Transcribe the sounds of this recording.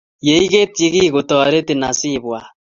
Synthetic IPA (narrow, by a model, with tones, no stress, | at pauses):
je˨˦i˦ɣe˦ti˦ɣi˦ɣo˨tɔ˨ɾe˦te˨na˨si˦˨βwa˨